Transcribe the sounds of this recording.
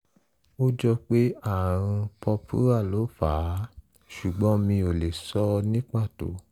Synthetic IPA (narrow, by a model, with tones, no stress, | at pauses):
o˦d͡ʒɔ˧k͡pe˦a˦˨ɾ̃ũ˧pʰɔ˧pʰṵ˦ɾa˦˨lo˨˦fa˨˦ | ʃu˨ɡ͡bɔ̃˨˦mĩ˧o˨le˨sɔ˦nĩ˦k͡pa˦˨to̰˨˦